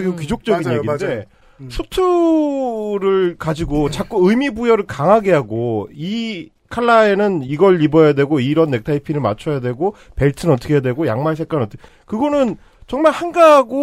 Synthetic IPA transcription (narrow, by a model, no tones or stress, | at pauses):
ɡiokid͡ʑok̚t͡ɕ͈ʌɡinjeide̞ | sʰutʰu | ɾɯɭkad͡ʑiɡot͡ɕak͈uɯjmibujʌɾɯɭkaŋɦaɡe̞ɦaɡoi | kʰaɭːae̞nɯniɡʌɭːibʌjadwe̞ɡoiɾʌnːe̞k̚tʰaipʰiɾɯɭma̰t͡ɕʰʌjadwe̞ɡope̞ɭtʰɯnʌt͈ʰʌkʰeadwe̞ɡojaŋmaɭs̬ʰe̞k͈anʌt͈ʰk | kɯɡʌnɯn | t͡ɕʌŋmaɭhanɡaɦaɡo